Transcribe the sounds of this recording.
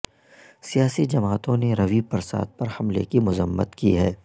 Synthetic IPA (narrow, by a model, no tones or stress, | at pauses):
sijaːsid͡ʒɐmaːt̪õneɾɐʋipɐɾsa̰ːd̪̚pɐɾhɐmlḛkimʊzəmːə̰t̪kiɦɛː